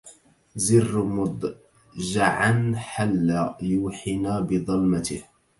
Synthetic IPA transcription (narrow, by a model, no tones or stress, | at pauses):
zɪrːmʊd̪ˤ | ʒaʕanħalːaːjuːħɪnaːbɪðˤɑlmat̪ɪ̰h